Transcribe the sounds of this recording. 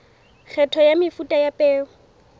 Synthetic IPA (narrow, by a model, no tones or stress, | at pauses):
k͡xʰɛtʰɔjamɪfutʼajapʼɛːʊ